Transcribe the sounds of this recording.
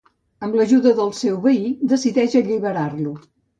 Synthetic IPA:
əmləʒuðəðəlˠsɛwβəid̪əsiðɛʒəʎiβəɾarlu

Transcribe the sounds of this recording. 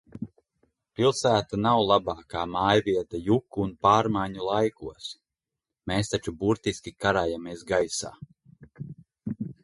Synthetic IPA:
pilˠsæːt̪anawlˠabaːkaːmaːjviɛt̪ajukːuːnpaːɾmajɲulˠajkuɔs | meːst̪at͡ʃubuɾt̪iskʲikaɾaːjamiɛsɡajsa̰ː

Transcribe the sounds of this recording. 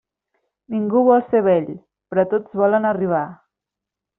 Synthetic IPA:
niŋɡuβɔlˠseβɛʎ | pɾɔt̪od͡zβɔlənəriβ̞a

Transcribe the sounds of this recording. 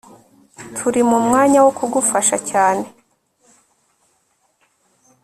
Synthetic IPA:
tʰuɾimumŋaːɲawokʰuɡufaʃacaːne̞

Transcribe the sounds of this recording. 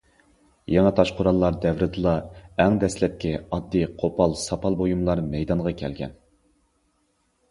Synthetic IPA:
jɑŋɑt̪ʰɑʃqʰʊɾɑlˠːɑɾd̪ɛvɾɨd̪ɨlˠɑɛŋd̪ɛslɛp̚kʲɛɑd̪ːiqʰopʰɑlˠsɑpʰɑlˠbojumlˠɑɾmɛjd̪ɑɴʁɑkʲʰɛlɡʲɛ̰n

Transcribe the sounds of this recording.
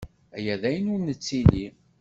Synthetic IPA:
æjæðæjənuɾnət͡sːili

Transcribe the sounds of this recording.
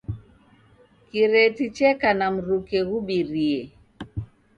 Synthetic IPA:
kiɾɛtit͡ʃɛkanam̩ɾukɛɣuɓiɾiɛ

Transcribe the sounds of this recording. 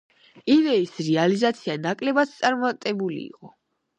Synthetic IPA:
ivɛisɾɛalizat̪sʰianakʼlɛbat̪t̪sʼaɾmat̪ʼɛbulḭːqʼɔ

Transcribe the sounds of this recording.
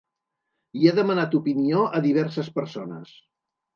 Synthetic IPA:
iaðəmənat̪upinioʔəðiβ̞ɛɾsəspəɾsonəs

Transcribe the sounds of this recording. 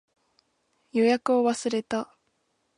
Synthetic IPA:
jo̞jakɯ̟o̞βasɨɾe̞t̪a

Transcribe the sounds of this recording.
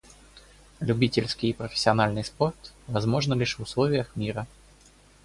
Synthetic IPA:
lʲʉbʲitʲɪlʲskʲɪjpɾəfʲɪ̥sʲːɪɐnalʲnɨjspo̞rt̪vɐzmo̞ʐnəlʲiʂvʊslˠovʲɪjəxmʲiɾə

